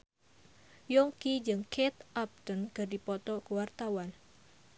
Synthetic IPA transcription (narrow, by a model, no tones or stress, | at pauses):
jɔŋkid͡ʒɨŋkʰet̪ʔap̚t̪ənkərdipɔt̪ɔkuwart̪awan